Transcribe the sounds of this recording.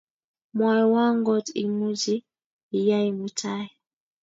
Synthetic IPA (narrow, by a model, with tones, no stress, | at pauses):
mwa˨ɾɔ˨wa˦ŋɡɔ˦ti˨mu˦d͡ʒiː˦˨ | ja˦i˨mu˨tʰa˦ji˨